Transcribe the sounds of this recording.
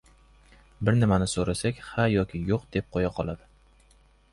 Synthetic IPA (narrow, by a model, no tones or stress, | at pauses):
bɪɾnɪmanɪsoɾasakʲhajɒkʲʰɪjoqd̪ep̚qʰojaqʰɒlˠad̪ɪ